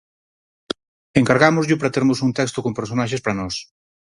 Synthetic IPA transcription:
eŋkaɾɣamʊzʎʊpɾat̪eɾmʊsunt̪ɛkst̪okompeɾsonaʃ̬espɾanɔs

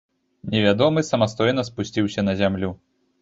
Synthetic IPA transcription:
nʲɛvʲad̪ɔmɨsɐmast̪ɔjnɐspusʲt͡sʲiwsʲɐnɐzʲamlʲu

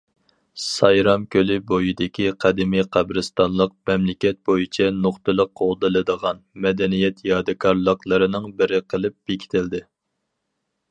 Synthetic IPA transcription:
sɑjɾɑmkʲølɪbojid̪ɪkʲʰiqʰæd̪ɪmiqʰæbɾɨst̪ɑnlˠəq̚mɛmlɪkʲɛt̪̚bojit͡ʃʰɛnoχt̪ɨlˠəqːolˠd̪ɨlˠɨd̪əʁɑnmɛd̪ɛnijɛt̪jɑd̪ɨkʰɑɾlˠəqlˠəɾɨnɨŋbɪɾɪqʰəlˠɨp̚b̥ekʲʰi̥t̪ʰɪld̪ɪ

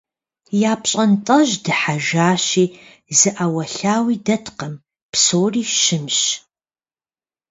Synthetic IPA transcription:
jaːpɕʼɐntʼɐʒdɨħaʒaːɕiː | zɨʔawɐɬaːwiːdɐtʰqɐm | psoːriːʃɪmɕ

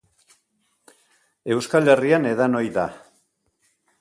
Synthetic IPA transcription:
e̞wskale̞riane̞ðano̞jða̰

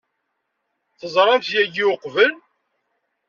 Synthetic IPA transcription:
θəzˤɾˤɑmθjæɡiʊqvəl

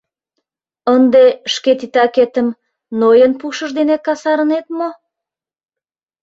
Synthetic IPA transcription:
ənd̪eʃket̪it̪ɑket̪əm | nojənpuʃəʒd̪enekɑsɑɾə̆net̪mo

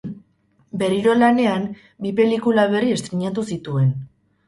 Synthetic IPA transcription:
be̞riɾo̞lane̞am | bipe̞likulaβe̞rie̞st̪ɾiɲat̪usit̪ue̞n

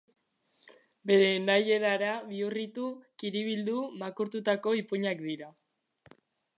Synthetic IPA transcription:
be̞ɾe̞naje̞ɾaɾaβiurit̪ukiɾiβild̪umakuɾt̪ut̪ako̞ipuɲakd̪iɾa

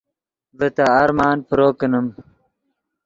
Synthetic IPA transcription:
bət̪aːɾmaːnpəɾoːkənəm

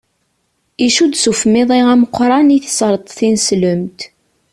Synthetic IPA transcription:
iʃud̪sufəmɪðˤiʁæməqʷːɾˤɑniθə̥sɾˤət̪ˤθinsləmt̪

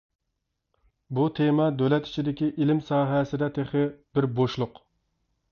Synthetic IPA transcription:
but̪ʰemɑd̪ølɛt̪i̥t͡ʃʰid̪ɪkʲiʔilɪmsɑːɦɛsɪd̪ɛt̪ʰeχɪb̥ɪɾboʃlˠʊq

